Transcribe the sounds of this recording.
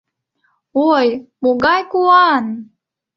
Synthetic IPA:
ojmuɡɑjkuɑn

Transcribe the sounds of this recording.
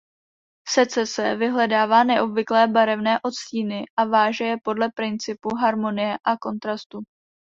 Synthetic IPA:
sɛt͡sɛsɛvɪɦlɛdaːvaːnɛʔo̞bvɪklɛːbaɾɛvnɛːʔo̞t͡sciːnɪʔavaːʒɛjɛpo̞dlɛpɾɪnt͡sɪpuɦaɾmo̞nɪjɛʔako̞nt̪ɾast̪u

